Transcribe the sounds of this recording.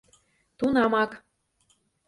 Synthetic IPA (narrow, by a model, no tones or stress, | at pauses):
t̪unɑmɑk